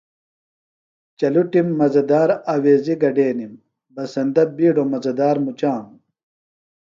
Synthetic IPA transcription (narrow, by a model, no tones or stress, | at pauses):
t͡ɕɐluʈimːɐzɐd̪aːɾaːweːziɡɐɖeːnim | bɐsɐnd̪ɐbiːɖomɐzɐd̪aːɾmut͡ɕaːm